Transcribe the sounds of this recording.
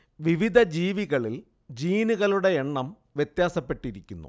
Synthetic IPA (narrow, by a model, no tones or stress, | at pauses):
ʋiʋid̪ʱɐd͡ʑiːʋiɣɐɭil | d͡ʑiːnuɣɐluɽe̞eɳːɐm | ʋjet̪jaːsɐpːe̞ʈːiɾikʲːunːṵ